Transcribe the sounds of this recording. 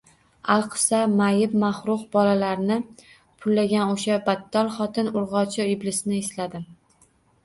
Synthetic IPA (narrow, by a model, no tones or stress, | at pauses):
alˠqʰɨ̥samajɪbmaχɾʊqbɒlalaɾnɪ | pʰʊlːaɡʲanoʃabat̪ʰːɒlˠχɒt̪ʰɪnʊɾʁɒt͡ʃʰɪɪblɪsɪnɪeslad̪ɪ